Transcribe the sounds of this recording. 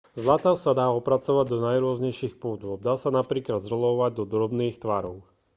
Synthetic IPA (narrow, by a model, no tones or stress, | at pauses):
zlat̪aʊsad̪aːɔpɾat͡sɔʋaɟd̪ɔnajɾʊɔzɲɛjʃiːxpuːd̪ɔd̪aːsanapɾiːklad̪zɾɔlɔʋaɟ̚d̪ɔd̪ɾɔbniːxt̪ʋaɾɔʊ